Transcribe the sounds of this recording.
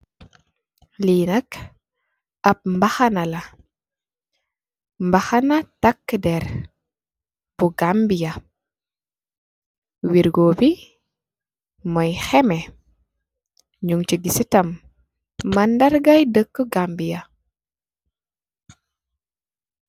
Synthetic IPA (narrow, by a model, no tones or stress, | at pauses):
liːnɐk | ɐp̚mbaxanɐlɐ | mbaxanatakːdɛɾ | puɡambija | wiɾɡoːbi | mɔjxɛmɛ | ɲuŋt͡ʃiɡisitɐmː | ɐndɐɾɡajdəkːəɡambija